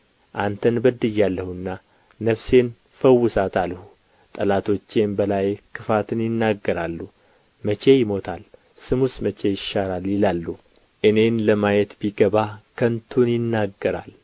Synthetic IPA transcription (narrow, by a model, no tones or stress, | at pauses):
ʔant̪ʰənbəd̪ɨjːalːəhuɨnːa | nəβse̞n | fəwːʊsat̪ʰalhu | t̪ʼəlat̪ʰo̞t͡ʃːe̞nbəlajkʰɨfat̪ʰɨnjɪnːaɡːəɾalːu | mət͡ʃe̞jɪmo̞t̪ʰal | sɨmusmət͡ʃʰe̞jɪʃːaɾaljɪlalːu | ʔɨne̞nləmajɛt̪biɡəβakʰənt̪ʰunjɪnːaɡːəɾa̰l